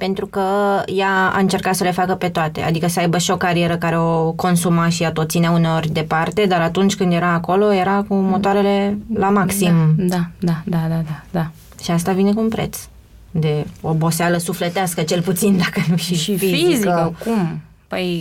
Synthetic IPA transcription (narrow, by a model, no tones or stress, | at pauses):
pe̞nt̪ɾukəjaa̰ɨnt͡ʃe̞rkat̪səle̞fakəpe̞t̪oat̪e̞̰ʔa̰d̪ikəsəajbəʃio̞kaɾie̞ɾəkaɾe̞o̞ko̞nsumaʃiat̪ot̪sineaune̞o̞rʲd̪e̞part̪e̞d̪aɾat̪unt͡ʃʲkɨnd̪je̞ɾaːko̞lo̞je̞ɾakumo̞t̪oaɾe̞le̞lamaksimd̪ad̪ad̪ad̪ad̪ad̪a | ʃiast̪avine̞kuunpɾḛt̪s | d̪e̞o̞bo̞sealəsuflet̪easkət͡ʃe̞lput̪sind̪akənuʃiifiziiziəkum | pəj